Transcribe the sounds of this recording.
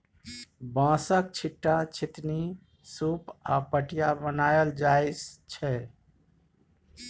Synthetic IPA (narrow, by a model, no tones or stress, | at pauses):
bãːsək̚t͡ʃʰiʈːat͡ʃʰɪt̪ni | supapəʈijabənaːjəld͡ʒaɪst͡ʃʰɛ